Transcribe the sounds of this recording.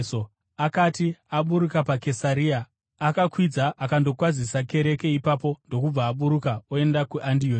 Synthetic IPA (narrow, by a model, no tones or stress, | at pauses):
so | akatiaɓuɾukapake̞saɾiːaː | kakwid͡zaʔakando̞kwazisake̞ɾe̞ke̞ipapo̞ndo̞kub͡vaːɓuɾukaoe̞ndakuʔandio